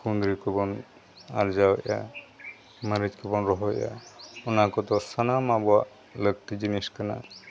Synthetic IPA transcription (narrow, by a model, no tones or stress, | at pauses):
kund̪ɾikɔbɔn | a̰ɾd͡ʒaw̰a̰ | maɾit͡ʃkɔbɔnɾɔɦɔ̰ja̰unakɔt̪ɔsanamabɔa | lək̚t̪id͡ʒiniskəna̰